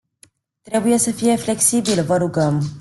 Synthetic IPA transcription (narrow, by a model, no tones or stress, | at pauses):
t̪ɾɛbujasɐfiaflɛksibilvaɾuɡam